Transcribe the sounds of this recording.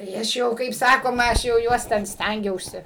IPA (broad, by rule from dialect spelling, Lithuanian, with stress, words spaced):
tɐɪ ˈɐʃ jɛʊ kɐɪp ˈsɑːkoːmɐ ˈɐʃ jɛʊ ˈjuɔs ˈtʲɛn ˈsʲtʲæŋʲɡʲɛʊsʲɪ